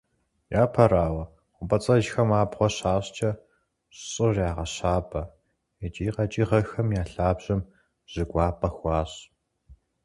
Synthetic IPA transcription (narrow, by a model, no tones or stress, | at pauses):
jaːpʰɐɾaːwɐ | qʷʊbɐt͡sʼɐʒxɐmaːbʁʷɔɕaːɕt͡ʃʰɐ | ɕɕʼɨrjaːʁɐɕaːpʰʼɐ | et͡ʃʼiːqɐt͡ʃʼiːʁɐxɐmjaːɬaːbʑ̥ɐm | ʑ̥ɨɡʷɑːpʼɐxʷɑːɕ